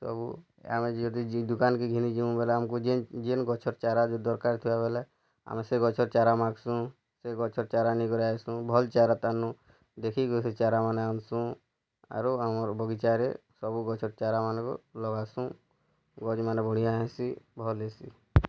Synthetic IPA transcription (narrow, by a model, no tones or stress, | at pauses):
sɔ̰bṵ | a̰med͡ʒɔd̪id̪ukankeɡʱinid͡ʒiũbeleamkud͡ʒed͡ʒenɡɔt͡ʃʰɔɾt͡ʃaɾad͡ʒod̪ɔɾkaɾt̪ʰiwabelɛ | a̰meseɡɔt͡ʃʰɔɾt͡ʃaɾamãɡsũ | seɡɔt͡ʃʰɔɾt͡ʃaɾanikɔɾaesũbʱɔlt͡ʃaɾat̪anũ | d̪ekʰikoset͡ʃaɾamaneamsũ | a̰ɾuamɔɾbʱɔɡit͡ʃaɾesɔbuɡɔt͡ʃʰɔɾt͡ʃaɾamankɔ̰lɔɡasũ | ɡɔd͡ʒmanebʱɔɽ̤̃ijaɦẽsibʱɔlesḭ